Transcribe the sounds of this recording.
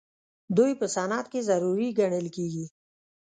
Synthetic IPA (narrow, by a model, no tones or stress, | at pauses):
d̪ujpəsaːnaːt̪̚kizɐɾuɾiɡəɳ̃ɪlkiɡi